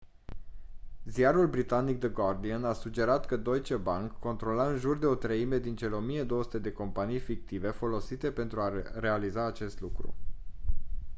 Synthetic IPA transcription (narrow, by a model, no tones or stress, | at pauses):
zijaɾulbɾit̪anik̚d̪əɡard̪ianasud͡ʒe̞ɾat̪kəd̪o̞jt͡ʃebaŋkʰːo̞nt̪ɾo̞laɨnʒurd̪e̞o̞t̪ɾəime̞d̪int͡ʃe̞leo̞mije̞d̪o̞wəsu̥t̪ed̪e̞ko̞mpanijfik̚t̪ive̞fo̞lo̞sit̪e̞pe̞nt̪ɾuare̞alizaːt͡ʃe̞st̪lukɾṵ